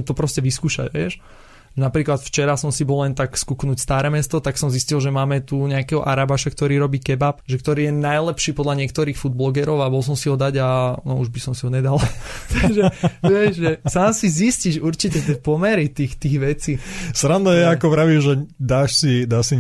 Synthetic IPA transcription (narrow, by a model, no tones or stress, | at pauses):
mt̪ɔpɾɔscɛʋiskuːʃa̰ɟʋɛ̰ʃ | ʒɛnapɾiːklat̪ft͡ʃɛɾasɔmsibɔllɛnt̪akskuknuːcst̪aːɾɛːmɛst̪ɔt̪aksɔmziscilʒɛmaːmɛt̪uɲɛakɛɦɔʔaɾabaʃakt̪ɔɾiːɾɔbiːkɛbapʒɛk̚t̪ɔɾiːjɛnajlɛpʃiːpɔd̪laɲɪɛkt̪ɔɾiːxfud̪̚blɔɡɛɾɔʊabɔlˠs̬ɔmsiɦɔd̪aɟanɔuʒbisɔmsiɦɔɲɛd̪alt̪aɡʒɛʋɪɛʒʒɛsaːmsizisciʃuɾt͡ʃicɛt̪ɛpɔmɛɾit̪ixt̪iːɣʋɛt͡sisɾand̪ɔjɛakɔpɾaʋiʒɛd̪aːʃsid̪aːʃsi